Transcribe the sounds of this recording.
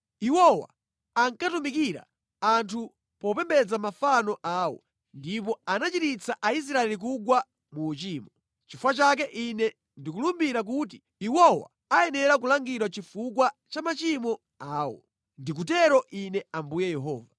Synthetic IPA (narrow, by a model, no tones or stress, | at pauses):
iwɔwa̰ | aŋkatumikiɾa̰ | antʰu | pɔpɛmbɛd͡zamafanɔʔaːwɔ̰ | ndip̬ɔanat͡ʃitit͡saʔais̬ɾaɛlik̬uɡwa | muːt͡ʃiːmɔ | t͡ʃifwat͡ʃak̬ɛʔinɛ | ndikulumbiɾak̬ut̬i | iwɔwa̰ | ajɛnɛɾakulaŋɡiɾwat͡ʃifukwat͡ʃamat͡ʃimɔ | aːwɔ̰ | ndik̬utɛɾɔʔinɛambujɛjɛɦɔːva